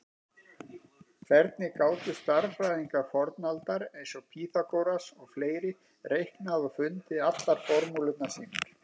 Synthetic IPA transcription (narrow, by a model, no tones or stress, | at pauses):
kʰvɛɾt̪̚nɪkaːwt̪ʏst̪aɾrajðiŋkafɔɾt̪nalt̪aɾejnsɔpʰiːθakowɾasɔɣfleːjɾɪ | rejhknaðɔfʏnt̪ɪat̪laɾ̥fɔɾmulʏt̪nasiːnɪɾ̥